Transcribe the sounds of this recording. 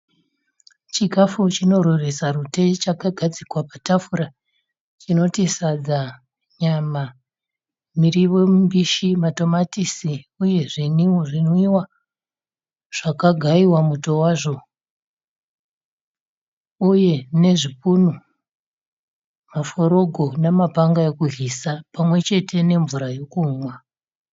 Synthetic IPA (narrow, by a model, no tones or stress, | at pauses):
t͡ʃikafut͡ʃino̞ɾoresarute̞t͡ʃakaɡʱad͡zikwapatafuɾa | t͡ʃino̞tisad͡za | ɲama | miriʋo̞mbiʃimato̞matisiuje̞ʐiniuʐinoiwa | ʐ̥akaɡʱaiwamuto̞waːʐo̞ | uje̞ne̞ʐip̚unu | mafo̞ɾo̞ɡʱo̞namapaŋɡajekuɦisapamwe̞t͡ʃe̞tʰe̞ne̞ɱvuɾajokuːmwa